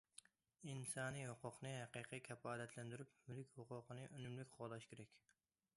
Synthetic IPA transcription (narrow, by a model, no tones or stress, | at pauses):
insɑːnijhoqʊqnɨhæqijqʰijkʲʰɛpɑːlɛt̪ʰlɛnd̪yɾypmylkʲhʊqʊqʰənɨʔønymlɪkʲqʰolˠɑʃkʲʰeɾɛkʲ